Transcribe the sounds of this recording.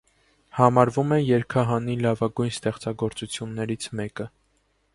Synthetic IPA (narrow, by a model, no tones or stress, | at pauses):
hɑmɑɾvumɛjɛɾkʰɑɦɑnilɑvɑɡujnst̪ɛχt͡sɑɡɔɾt͡sut͡sʰjunːɛɾit͡sʰmɛkə